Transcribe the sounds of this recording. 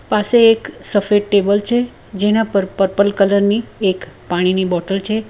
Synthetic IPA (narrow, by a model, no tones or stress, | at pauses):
paseːksəfeʈʈebəlt͡ʃʰe | d͡ʒenãpəɾpəɾpəlkələɾniekpaɽ̃inibɔʈəlt͡ʃʰe